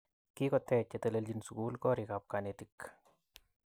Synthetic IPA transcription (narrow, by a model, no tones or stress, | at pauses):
kikɔt̪ɛt͡ʃet̪eleld͡ʒinsukulkɔɾikap̚kanetik